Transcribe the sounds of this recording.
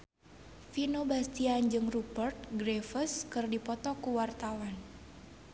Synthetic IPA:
finobast̪iand͡ʒɨŋrupərt̪̚ɡɾefəskɨrdipɔt̪ɔkuwart̪awan

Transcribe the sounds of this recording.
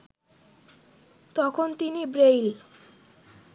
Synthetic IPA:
t̪ɔkʰont̪inibɾejl

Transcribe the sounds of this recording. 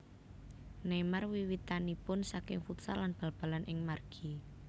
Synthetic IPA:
nemarwiwit̪anipʊnsakɪŋfut̪salanb̥a̤lb̥ä̤lanʔɪŋmarɡ̥i

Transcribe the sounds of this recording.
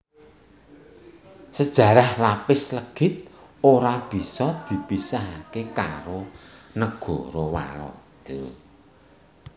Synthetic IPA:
səd̥ʒ̥ä̤ɾahlapɪsləɡ̥ɪ̤t̪̚ | oɾab̥i̤sɔd̪̥i̤pisaɦakekaɾonəɡ̥ɔ̤ɾɔwa̰lɔ̰d̪̥ɔ

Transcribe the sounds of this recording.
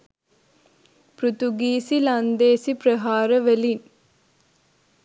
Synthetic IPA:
pɾut̪uɡiːsiland̪eːsipɾɐɦaːɾɐʋɐlin

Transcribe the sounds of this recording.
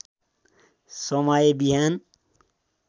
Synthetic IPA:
somaːjebiɦaːn

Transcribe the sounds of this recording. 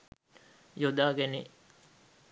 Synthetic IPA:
jod̪aːɡeni

